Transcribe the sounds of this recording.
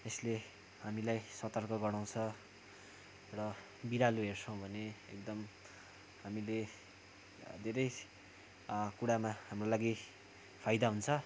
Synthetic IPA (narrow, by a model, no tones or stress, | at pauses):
esle | ɦamilajsʌt̪ʌrkʌɡʌɽaw̃t͡sʰʌ | rʌ | biɾaluɦert͡sʰʌw̃bʱʌneekd̪ʌm | hamile | d̪ʱeɾʌj | kuɽamahamrolaɡi | pʰajd̪aɦunt͡sʰʌ